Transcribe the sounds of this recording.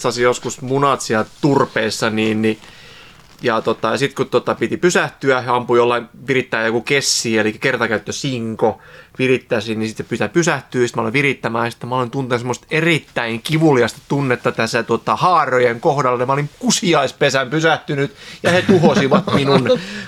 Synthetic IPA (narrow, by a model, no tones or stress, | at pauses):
sɑsijoskusmunɑt̪siælt̪urpeːsːɑniːnni | jɑt̪ot̪ɑjɑsit̪kut̪ːot̪ɑpit̪ipysæht̪yæeɑmpujolːɑinʋirit̪ːæːjokukesːiːelikːækert̪ɑkæyt̪ːøsiŋkoʋirit̪ːæsinnisit̪sepyt̪æpysæht̪yːsit̪mæoliʋʋirit̪ːæmæːɑsi̥t̪ːæmæolint̪unt̪unsemost̪erit̪ːæiŋkiʋuliɑst̪e̥t̪unːet̪ːɑt̪æsæt̪uot̪ɑhɑːrojeŋkohdɑlːɑmæolimkusiɑispesæmpysæht̪ynyt̪jɑhet̪uhosiʋɑt̪minun